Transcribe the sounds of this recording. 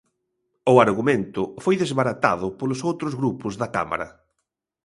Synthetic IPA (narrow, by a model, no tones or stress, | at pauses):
ʊaɾɣumẽnt̪ʊfojðezβaɾat̪a̰ðʊpolʊsowt̪ɾʊzɣɾupʊzðɐka̰ma̰ɾɐ̰